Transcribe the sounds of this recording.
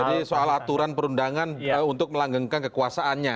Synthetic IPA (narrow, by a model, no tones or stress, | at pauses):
adisoalat̪uɾanpəɾundaŋanunt̪ʊk̚məlaŋɡəŋkankəkuasaʔanɲa